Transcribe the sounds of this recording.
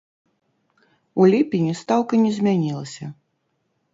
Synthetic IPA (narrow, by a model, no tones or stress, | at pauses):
ulʲipʲinʲist̪awkɐnʲɛzʲmʲanʲilˠɐsʲɐ